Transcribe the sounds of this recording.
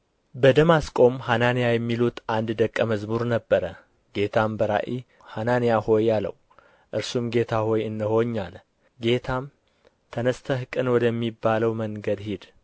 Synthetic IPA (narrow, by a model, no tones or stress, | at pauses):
bəd̪əmaskʼo̞mhananijajɛmːilut̪and̪d̪əkʼːəməzmuɾnəbːəɾə | ɡe̞t̪ʰambəɾa̰ʔi | hananijaho̞jalə̰w | ʔɨɾsumɡe̞t̪ʰaho̞jɨnːəho̞ɲːalə | ɡe̞t̪ʰam | t̪ʰənəst̪ʰəhɨkʼɨnwɔd̪əmːibːaləwməŋɡəd̪hid̪